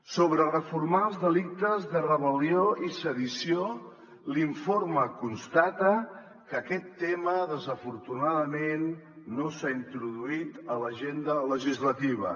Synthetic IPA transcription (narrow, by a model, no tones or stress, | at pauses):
soβɾərəfuɾmalˠzðəlik̚t̪əzðərəβəlioisəðisio | liɱforməkunst̪at̪ə | kəkɛt̪ːɛməðəzəfuɾt̪unaðəmenː | osaint̪ɾuðuit̪ələʒend̪ələʒizlət̪iβ̞ə̰